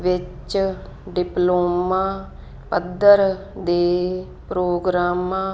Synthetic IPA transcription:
ʋɪt͡ʃɖɪploːmãː | pəd̪əɾ | d̪eː | pɾoːɡɾaːmãː

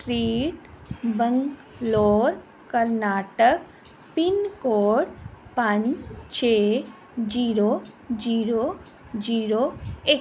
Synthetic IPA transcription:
sʈɾiːʈbə̃ŋk | loːɾ | kəɾnaːʈək | pinkoːʈpaɲt͡ʃʰeː | d͡ʒiːɾoːd͡ʒiːɾo | d͡ʒiːɾoːe

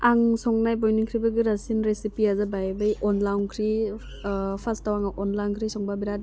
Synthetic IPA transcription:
aŋsɔŋnajbɔjniŋkʰɾibɯɡɯɾasinɾesipiazabajbɯjɔnlawnkʰɾi | pʰastawaŋaʔɔnlawnkʰɾisɔŋbabiɾad̚

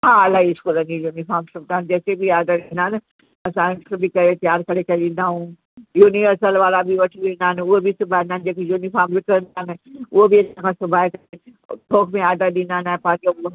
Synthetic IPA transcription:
ɦaːɐlaːiɪskuːlə̃nd͡ʑijuːnifaːɾmsʊbnaːɪnɪ̆d͡ʑɛːsebʱiaːd̪əɾĩnd̪aːɦɪnɪ̆ | ɐsãsɐbʱikɐet̪jaːɾkɐɾekɐɗĩːnd̪aːɦũ | juːniʋəɾsəlʋaːlabʱiʋɐʈʰiɗĩːnd̪aːɪnɪʊɦebisʊbʱaːɪnaːɪnɪd͡ʑeːkejuːnifaːɾmʋɪkəɾə̃nd̪aɦɪnɪ̆ʊɦobiɐsãnkʰãːsʊbʱaːekɐɾe | ʈʰoːkʰmẽaːd̪əɗĩːnd̪aːɪnaːɦɪ̃pãːd͡ʑo

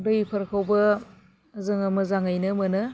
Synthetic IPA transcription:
dɯipʰɐɾkʰawbɐ | zɯŋamɯzaŋajnɯmɯnɯ

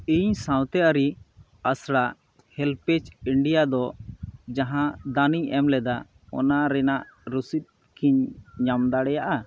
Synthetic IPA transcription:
iɲsãwt̪ɛʔaɾi | asɽa | hɛlpɛt͡ʃiɳɖijad̪ɔd͡ʒaɦãd̪aniɲɛmlɛd̪a | ɔ̰naɾɛnaʔɾusit̪̚ | kʰiɲɲamd̪aɽɛjaʔa

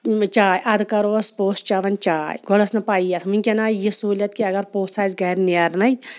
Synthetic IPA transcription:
t͡ʃaːjʔɐd̪kɐɾoːspoːst͡ʃɐʋɐnt͡ʃaːjɡʱolɐsnɐpaːijɐsmunʲkʲenaːjjisuːlʲjɐt̪̚kiɐɡɐɾpoːssaːzɡɐɾniɐɾnɐj

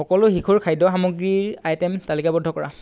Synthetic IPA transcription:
xɔkɔlʊxikʰuɹkʰajdɔxamʊɡɹiɹajtɛmtalikabɔdʱːɔkɔɹa̰

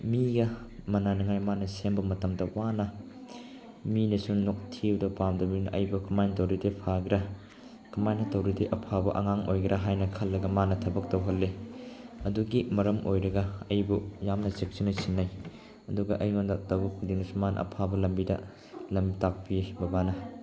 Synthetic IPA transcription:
miɡɐ | mɐnanɐŋajmanɐsenbɐmɐtɐmdɐwanɐ | minɐsuŋnok̚tʰiwdɐpamdɐbinʔɐ̰jbukɐmajntɐwɾidepʰaɡɾa | kɐmajnɐtɐwɾideʔɐpʰabɐʔɐŋaŋʔojɡɾʔaɦajnɐkʰɐlːɐɡɐmanɐtʰɐbɐk̚tɐwɦɐlːe | ɐduɡimɐɾɐmʔojɾɐɡɐɐjbujamnɐsek̚sinɐsinːaj | ɐduɡɐʔɐjŋondɐtɐwukdiŋnɐsumanɐ̰ɐ̰pʰabɐlɐmbidɐ̰ | lɐmbitak̚pibɐbanɐ

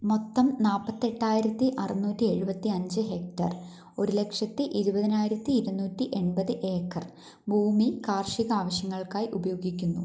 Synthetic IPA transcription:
mo̞t̪ːɐmnaːpːɐt̪ːe̞ʈːaːjiɾɐt̪ːiʔɐrɐnuːtːie̞ɻubɐt̪ːiɐɲd͡ʑɨɦe̞k̚tɐ̰r | o̞ɾule̞kʂɐt̪ːɨʔiɾubɐðinaːjiɾɐt̪ːiːɾunːuːtːiʔe̞ɳbɐðɨʔe̞ːkːɐr | bʱuːmikaːrʂiɣɐaːʋɐɕjɐŋːɐɭkaːjiʔubɐjo̞ːɡikʲːunːṵ

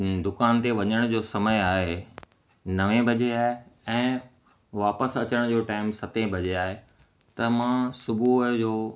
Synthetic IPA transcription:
d̪ʊkaːnt̪eʋɐɲəɽ̃d͡ʑoːsɐməjaːɦe | nɐʋẽbʱɐd͡ʑeaːɦeɛ̃ː | ʋaːpəsɐt͡ɕəɽ̃d͡ʑoːʈaːɪmsɐt̪ẽbʱɐd͡ʑeaːɦe | t̪ɐmãːsʊbʱud͡ʑoː

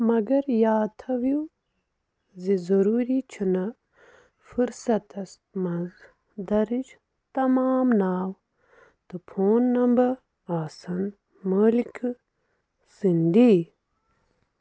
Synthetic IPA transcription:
mɐɡɐɾjaːt̪ʰɐʋju | zizɐɾuːɾit͡ʃʰunɐ | fuɾsɐt̪ɐs | mɐz | d̪ɐɾid͡ʒ | t̪ɐmaːmnaːw | t̪upʰoːnːɐmbɐ | aːsɐn | mɐːlikʰ | sind̪i

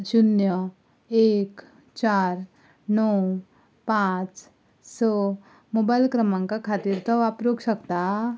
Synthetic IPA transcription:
ɕunjə | ek | t͡ɕaɾ | nɔw | pãt͡s | sɔ | mobajlkɾəmãŋkakʰat̪iːɾt̪ʰɔʋapɾoɡɕəkt̪a

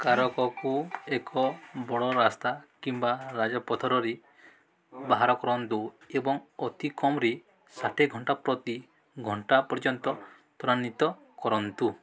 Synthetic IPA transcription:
kaɾɔkɔkuekʰɔbɔɽɔɾast̪akimbaɾad͡ʒɔpɔt̪ʰɔɾɔɾe | baɦaɾɔkɔɾɔnt̪uebɔŋɔt̪ikɔmɾe | saʈʰeɡʱɔɳʈapɾɔt̪i | ɡʱɔɳʈapɔɾd͡ʒɔnt̪ɔ | pɔɾanit̪ɔ | kɔɾɔnt̪u

